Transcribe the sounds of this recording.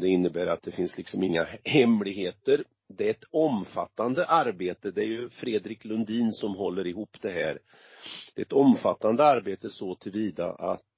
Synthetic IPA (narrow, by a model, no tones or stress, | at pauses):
d̪ɛɪnːəbæːɾat̪̚d̪ɛfɪnslɪksɔmɪŋːahɛmlɪɡheːt̪əɾ | d̪ɛɛt̪ɔmfa̰t̪ːand̪əʔaɾbeːt̪əd̪ɛæɾjɵfɾeːd̪ɾɪklɵnd̪iːnsɔmɦɔlːəɾɪhuːpːd̪ɛɦæ̰ːɾ | d̪̥ɛɛt̪ɔmfat̪ːand̪əaɾbeːt̪əsɔt̪ʰɪlviːd̪a̰a̰t̪